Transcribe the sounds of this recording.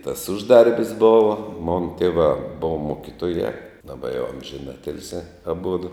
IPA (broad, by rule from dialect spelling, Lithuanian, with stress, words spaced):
tɐs ˈʊʒˌdɐrʲbʲɪs ˈboːʋɐ ˈmoːnɐ ˈtʲeːʋɑː ˈboːʋɐ ˈmoːkʲɪtoːjæː dɐˈbɐ jɛʊ ɐmʲʒʲɪˈnɑːtʲɪlʲsʲæː ɐˈbʊdʊ